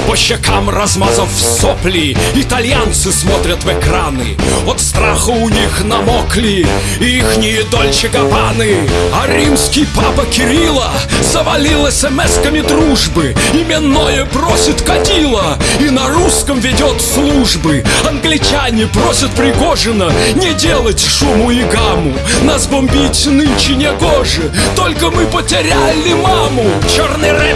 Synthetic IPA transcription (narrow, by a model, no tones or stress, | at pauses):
pəɕːɪkamrɐzmazəfsoplʲɪɪt̪ɐlʲjant̪sɨsmot̪ɾʲət̪vɛkɾanɨ̰ot̪st̪ɾaxəʊnʲixnɐmoklʲɪː | ixnʲɪɪd̪olʲt͡ɕɪkɐpanɨɐɾʲimskʲɪjpapəkʲɪɾʲilˠə | səvɐlʲilˠɛsʲɛmɛskəmʲɪd̪ɾuʐbɨɪmʲɪnːojəprosʲɪt̪kɐdʲilˠəinɐɾuskəmvʲɪdʲot̪slˠuʐbɨɐnɡlʲɪt͡ɕanʲɪpɾosʲət̪̚pɾʲɪɡoʐɨnənʲɪdʲelˠətʲʂumʊɪɡamʊ | nazbɐmʲbʲitʲnɨnʲt͡ɕɪnʲɛɡoʐɨt̪olʲkəmɨpətʲɪɾʲalʲɪmamʊt͡ɕornɨjrɛ